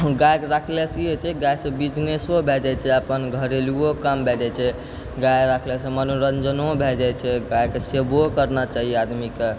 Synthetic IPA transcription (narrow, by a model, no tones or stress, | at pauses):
ɡajɾakʰlesiɦet͡ʃʰɛɡajsə̃bid͡ʒnesobʱed͡ʒɛt͡ʃʰɛəpənɡʱəɾeliokambʱed͡ʒat͡ʃʰɛ | ɡajɾakʰlesẽmənoɾənd͡ʒənobʱed͡ʒat͡ʃʰɛɡajkesebokəɾnat͡ʃaɦijɛad̪mike